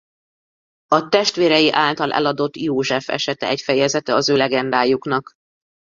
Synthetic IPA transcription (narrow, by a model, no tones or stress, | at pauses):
ɒt̪ɛʃt̪ʋeːɾɛjiʔaːlt̪ɒlʔɛ̰lɒd̪o̞t̪ːjoːʒɛfɛ̰ʃɛt̪ɛ̰ɛcfɛjɛzɛt̪ɛɒzøːlɛɡɛnd̪aːjuknɒk